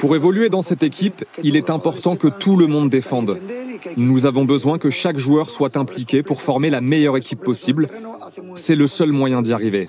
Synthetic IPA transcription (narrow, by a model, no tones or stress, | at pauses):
puʁevɔlyed̪ɑ̃sɛt̪ekʲʰipilɛt̪ɛ̃pɔʁt̪ɑ̃kət̪uləmɔ̃d̪ːefɑ̃d̪nuzavɔ̃bəzwɛ̃kəʃakʒuœʁswat̪ɛ̃plikʲepuʁfɔʁmelamejœʁekʲipːɔsibl | sɛləsœlmwajɛ̃d̪iaʁive